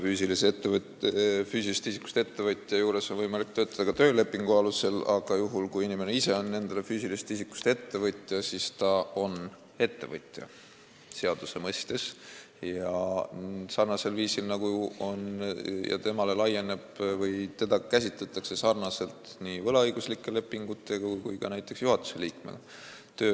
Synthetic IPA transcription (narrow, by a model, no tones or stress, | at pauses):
fyːsilist̪ːev | fyːsilist̪isi̥kːˑu̥st̪e̞t̪ːe̞vɤt̪ʲˑjɑjuːɾe̞so̞nvɤjmɑlik̚t̪ø̞ːt̪ːˑɑd̪ɑkɑt̪øːle̞pːˑiŋɡ̥uɑluse̞lɑɡ̥ɑjuɦulkujinime̞neise̞o̞nːe̞nd̪̥elefyːsilist̪isikːˑu̥st̪e̞t̪ːe̞vɤt̪ʲˑjɑsist̪ɑo̞n | e̞t̪ːe̞vɤt̪ʲˑjɑ̰ | se̞ɑd̪̥use̞mɤst̪e̞s | jɑ | sɑrnɑse̞lviːsilnɑɡuo̞njʔɑ̰t̪e̞mɑle̞lɑje̞ne̞b̥vɤjt̪e̞d̪ɑkæs̬ʲit̪let̪ːˑɑkse̞sɑrnɑse̞lt̪nivɤlɑɤjɡ̥uslikːˑele̞pːˑiŋɡ̥ut̪ːˑe̞ɡ̥ɑkujkɑnæjt̪ːˑe̞ksjuɦɑt̪ːˑu̥se̞liːkmḛɡ̥ɑ | t̪øː